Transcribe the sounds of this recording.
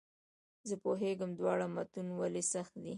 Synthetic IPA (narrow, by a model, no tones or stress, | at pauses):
zəpoɦeɡamd̪wɑɽamat̪unwalesaxt̪̚d̪i